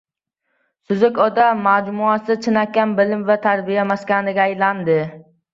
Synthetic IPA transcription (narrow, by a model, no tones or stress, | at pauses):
sʊzʊkʲɒd̪aːad͡ʒmʊasɪt͡ʃʰɪnakʲːanbɪlɪmvat̪ʰaɾbijamaskʲanɪɡʲaːjland̪ɪ